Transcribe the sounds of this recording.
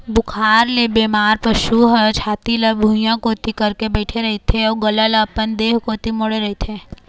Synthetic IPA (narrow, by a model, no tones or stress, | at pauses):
bʊkʰaːɾlebeːmaːɾpɐʃuɦət͡ʃʰaːt̪iləbʱũːjãkoːt̪ikɐɾkebɛːʈʰeɾɐɦet̪ʰeɔːɡɐlələpənd̪eːɦkoːt̪imoɽeɾɐɦet̪ʰeː